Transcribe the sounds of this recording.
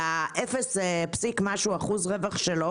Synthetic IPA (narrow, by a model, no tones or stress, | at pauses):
aʔefesepsikmaʃuaχuzʁevaχʃelo